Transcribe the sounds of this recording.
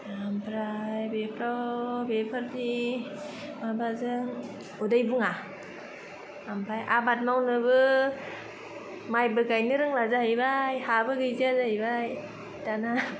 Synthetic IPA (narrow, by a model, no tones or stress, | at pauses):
ampʰɾajbepʰɾawbepʰaɾni | mabazɯŋ | udajbuŋa | ampʰɾajʔabat̚mawnɯbɯ | majbɯɡajnɯɾɯŋlazahajbajhabɯɡɯjzazahajbaj | tana